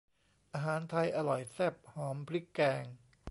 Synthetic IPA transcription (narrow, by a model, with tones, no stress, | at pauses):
ʔaː˧ɦaː˩˦nt̪ʰa˧jʔa˧lɔ˨˩jsɛ˥˩p̚hɔː˩˦mpʰli˦˥kːɛː˧ŋ